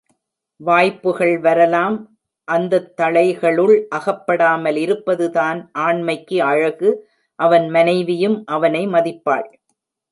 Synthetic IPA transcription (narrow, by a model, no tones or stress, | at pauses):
ʋaːjpːɯɣɐɭʋɐɾɐlaːm | ʔɐnd̪ɐt̪ːɐɭɐɪɣɐɭɯɭʔɐɣɐpːɐɽaːmɐlɪɾɯpːɐðɯðaːnʔaːɳmɐɪkːɯɐɻɐɣɯ | ʔɐʋɐnmɐnɐɪʋɪjɯmʔɐʋɐnɐɪmɐðɪpːa̰ːɭ